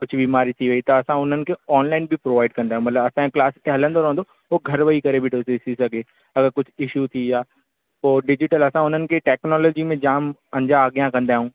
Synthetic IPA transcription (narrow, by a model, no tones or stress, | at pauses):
kʊd͡ʑʱʰbiːmaːɾit̪ʰiʋɐit̪ɐɐsãʊn̤ənɪ̆kʰeɔːnlaːɪnbʱipɾoːʋaːɪɖ̚kɐ̃nd̪aːɦũmɐt̪ləbɐsãklaːst̪eɦɐlə̃nd̪oɾɐɦə̃nd̪o | ɦoɡʱɐɾʋɐikɐɾebʱɪʈosetʰisɐɡʱeː | ɐɡəɾkʊd͡ʑʰʱɪʃut̪ʰijaː | poːɖɪd͡ʑɪʈəlɐsãʊn̤ənɪ̆kʰeʈɛːknɔːlɔːd͡ʑimẽd͡ʑaːmɐ̃ɲd͡ʑaːɡjãkɐ̃nd̪aːɦũː